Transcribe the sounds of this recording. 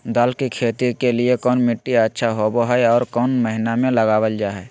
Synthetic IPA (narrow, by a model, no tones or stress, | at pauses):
d̪aːlkikʰeːt̪ikeliekɔːnmɪʈːiətːʃʰaɦoboɦɛɔːɾkɔːnməɦɪnamẽləɡaːwəld͡ʒaːɦɛː